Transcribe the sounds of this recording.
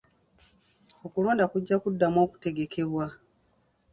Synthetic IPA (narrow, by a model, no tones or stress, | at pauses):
o̞kuloːndakuɟːakudːamo̞ːku̥te̞ɡe̞ke̞βwa